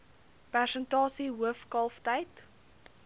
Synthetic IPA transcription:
pærsəntɑːsiɦuəfkɐlˠftəjt

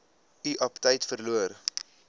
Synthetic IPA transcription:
iʔɐptəjtfərluər

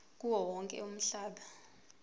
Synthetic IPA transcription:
k̬ʼuwɔwɔŋkʼɛ̰um̩ɬaːɓa

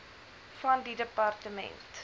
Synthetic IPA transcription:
fɐndidəpɐrtəmɛ̰nt

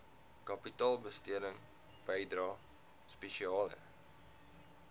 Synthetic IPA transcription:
kɐpitɑːlˠbəstiədəŋ | b̥əjdrɑː | speʃiɑːlə̰

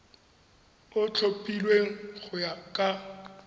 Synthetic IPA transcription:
ʊt͡ɬʰopʼilweŋ̩ɣʊjakʼa

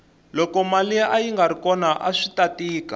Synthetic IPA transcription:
lɔkɔmaliaʔajiŋɡaɾikɔnaʔaʂitatiːka

